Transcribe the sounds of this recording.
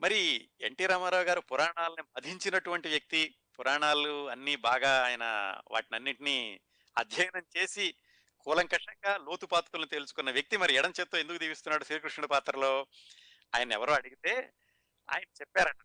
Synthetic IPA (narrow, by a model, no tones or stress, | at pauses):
mɐɾie̞ɳʈiːɾaːmaːɾaːwɐɡaːɾupuɾaːɳaːlɐnimɐd̪ʱiɲt͡ʃinɐʈuʋɐɳʈiʋjɐk̚t̪i | puɾaːɳaːluɐnːiːbaːɡaːjɐnɐ̰ʋa̰ːʈinɐnːiʈini | ɐ̰d̪ʱjɐjɐnɐmt͡ʃe̞ːsi | kuːlɐŋkɐʂɐŋɡaːlo̞ːt̪upaːt̪kulnit̪e̞ːlusu̥kunːɐʋjɐk̚t̪imɐɾiɛɽɐmt͡ʃet̪ːoːend̪ukud̪iːpist̪unːaːɽuʃɾiːkɾuʂɳɐɽupaːt̪ɾɐlo̞ː | a̰ːjɐnɐɛ̰ʋɐɾoːɐɽiɡit̪e̞ː | a̰ːjɐnɐt͡ʃɛpːaːɾɐɳʈːɐ